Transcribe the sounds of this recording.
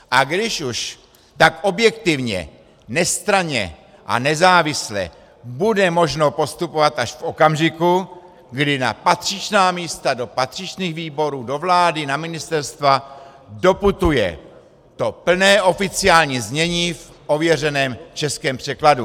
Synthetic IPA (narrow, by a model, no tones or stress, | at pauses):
ʔaɡdɪʃuʃ | t̪akʔo̞bjɛkt̪ɪvɲɛ̰ | nɛst̪ɾaɲɛ̰ | ʔa̰nɛzaːvɪslɛ̰ | budɛmo̞ʒno̞po̞st̪upo̞vat̪aʃfʔo̞kamʒɪku | ɡdɪna̰pat̪r̝̥ɪt͡ʃnaːmiːst̪ado̞pat̪r̝̥ɪt͡ʃniːɣviːbo̞ɾuːdo̞vlaːdɪnamɪnɪst̪ɛɾst̪va | do̞put̪ujɛ̰ | t̪o̞pl̩nɛːʔo̞fɪt͡sɪaːlɲiːzɲɛɲiːf | ʔo̞vjɛrɛnɛːmt͡ʃɛskɛːmpr̝̥ɛkladu